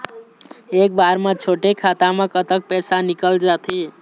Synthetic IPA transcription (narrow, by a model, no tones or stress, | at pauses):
ek̚baɾmãt͡ʃʰoʈekʰat̪amẽkət̪ək̚pɛsanikəld͡ʒat̪ʰi